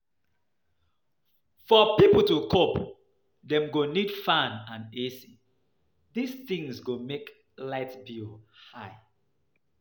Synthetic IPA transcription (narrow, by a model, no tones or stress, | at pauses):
fɔpipl̩ˠtukʰop | dɛ̃mɡonid̥fãnãnesi | disθĩŋzɡomek | laɪtbihaɪ